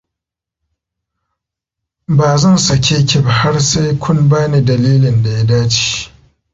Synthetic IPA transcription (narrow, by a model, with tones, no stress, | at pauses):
baː˨zɐ˦˨nsɐ˨kʲʰeː˦kʲɪ˦˨ba˨ha˦rsa˦jkʷʰʊ˦nbaː˦neː˨dɐ˨liː˦lɪ˨nda˨ja˦daː˦t͡ʃi̥˨